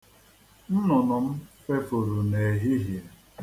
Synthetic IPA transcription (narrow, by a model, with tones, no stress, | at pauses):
n̩˦nɔ˨nɔ˨m̩˦fe˦fʊ˨ɾu˨ne˨ɦi˦ɦje˨